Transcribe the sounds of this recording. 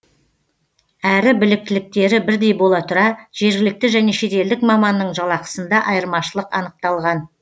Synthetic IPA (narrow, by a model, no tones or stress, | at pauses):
æɾɪbɪlɪk̚t̪ɪlɪk̚t̪e̞ɾɪbɪɾd̪e̞jbo̞lˠɑt̪ʰʊɾɑʒ̥e̞ɾɡʲɪlɪk̚t̪ɪʒæne̞ʃe̞t̪e̞ld̪ɪkmɑmɑnːəɴʒɑlˠɑqə̥sənd̪ɑʔɑjəɾmɑʃəlˠəqɑ̰nəq̚t̪ɑlˠʁɑn